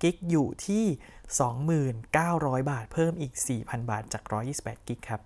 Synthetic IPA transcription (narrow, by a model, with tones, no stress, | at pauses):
ki˦˥k̚juː˨˩t̪ʰiː˥˩sɔː˩˦ŋmɯː˨˩nkaː˥˩wɾɔː˦˥jbaː˨˩t̪̚pʰɤː˥˩mʔiː˨˩k̚siː˨˩pʰa˧nbaː˨˩t̪̚t͡ɕaː˨˩k̚ɾɔː˦˥jːiː˥˩si˨˩pʔɛː˨˩t̪̚ki˦˥kʰːɾa˦˥p̚